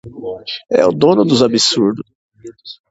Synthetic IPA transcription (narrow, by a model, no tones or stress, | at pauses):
ɛ̰ʊd̪õnʊd̪ʊzabisuɾd̪ʊ